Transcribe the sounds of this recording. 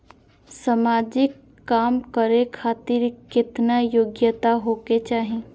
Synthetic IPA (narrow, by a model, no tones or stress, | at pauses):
səmaːd͡ʒɪkː | aːmkəɾekʰaːt̪ɪɾkɪt̪najoːɡjət̪aɦoːket͡ʃaːɦẽ